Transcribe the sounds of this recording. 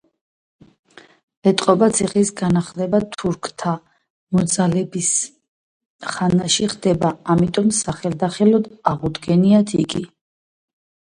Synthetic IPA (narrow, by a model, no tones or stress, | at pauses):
ɛt̪ʼqʼɔbat̪sʰiχisɡanaχlɛbat̪ʰuɾkʰt̪ʰa | mɔd̪zalɛbis | χanaʃiχd̪ɛbaamit̪ʼɔmsaχɛld̪aχɛlɔd̪aʁud̪ɡɛniat̪ʰiɡi